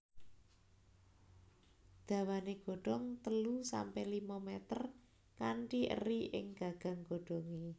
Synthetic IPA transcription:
d̪̥ä̤waneɡ̥o̤ɖ̥ɔŋt̪əlusa̰mpɛlimɔmɛt̪ər | kaɳʈiʔə̰riʔɪ̰ŋɡ̥a̤ɡ̥a̤ŋɡ̥o̤ɖ̥ɔ̤ŋe

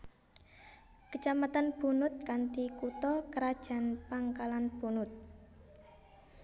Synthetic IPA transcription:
kət͡ʃamat̪anb̥ṳnʊt̪̚kant̪ikut̪ɔkəɾad̥ʒ̥a̤npaŋkalanb̥ṳnʊt̪̚

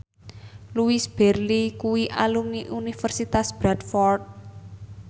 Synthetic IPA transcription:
luisb̥ɛrlikuwiʔalumniʔunifərsit̪asb̥ɾad̪fɔrt̪̚

